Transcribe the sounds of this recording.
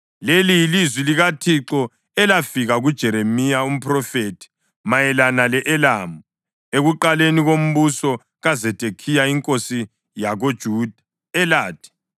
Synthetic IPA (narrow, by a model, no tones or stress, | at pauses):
lelijilizwiliɣatʰiǁɔ | ɛlafiɣaɣud̥ʒ̥ʱɛɾemijaum̩pʰʼrɔfetʰi̥ | majɛlanalɛʔɛlamu | eɣuǃaleniɣom̩βusɔ | ɣazɛtʼekʰijaiŋkʼosi | jaɣod̥ʒ̥ʱuːd̥ʱa | ɛlaːd̥ʰʱʼɛ̥